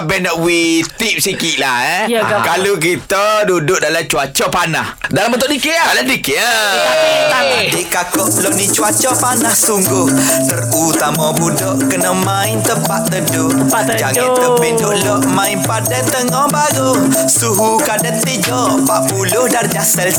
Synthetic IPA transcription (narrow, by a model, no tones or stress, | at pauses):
bɛnɔʔwit̪ip̚sikiʔlahɛkaluk̬it̪ədudʊʔ̚dalat͡ʃuat͡ʃɔpanahdalambənt̪ʊʔdikeʔaladikeaaadikakɔʔlɔʔnit͡ʃuat͡ʃɔpanahsuŋɡʊh | t̪ərut̪amabudɔʔkənəmãɪnt̪əpaʔt̪ədʊ | d͡ʒaŋãt̪əpidoʔlɔʔmãinpadant̪əŋɔhbaɾʊ | suɦukadant̪id͡ʒɔʔpaʔbulʊhdard͡ʒasəl